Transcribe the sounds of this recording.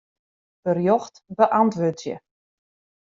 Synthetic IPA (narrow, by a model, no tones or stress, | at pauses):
b̥ərjɔxtbəʔantʋøtjə̰